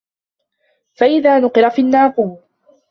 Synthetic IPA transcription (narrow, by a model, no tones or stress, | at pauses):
faʔɪðaːnʊqɨɾafiːnːaːquː